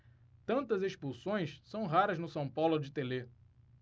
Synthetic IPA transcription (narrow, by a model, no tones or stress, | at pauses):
t̪ɐ̃nt̪ɐzeʃpusõj̃ssɐ̃w̃ɦaɾɐznʊsɐ̃w̃pawlʊd͡ʒɪt̪ele